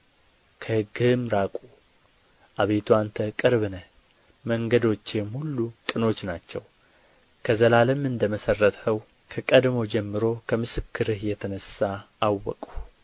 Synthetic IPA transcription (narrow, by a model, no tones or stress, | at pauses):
kʰəhɨɡɨmɾakʼu | ʔaβe̞t̪ʰuant̪ʰəkʼɨɾβɨnə | məŋɡəd̪o̞t͡ʃːjɛmhulːukʼɨno̞t͡ʃːnat͡ʃːɛw | kʰəzəlaləmɨnd̪əməsərːət̪həw | kʰəkʼəd̪mo̞d͡ʒɛmːɨɾo̞kʰəmɨsɨkːɨɾɨhjɛt̪ʰənəsːaː | wːɔ̰kʼu